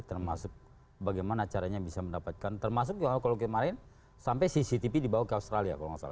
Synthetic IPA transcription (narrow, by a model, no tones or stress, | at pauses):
t̪ərmasʊk̚ | baɡajmanat͡ʃaɾaɲabisaməndapat̪̚kant̪ərmas̬ʊk̚d͡ʒaakalokit̪əmaɾɪn | sampajsisit̪ipidibawakəaust̪ɾalia̰kaloŋasa̰la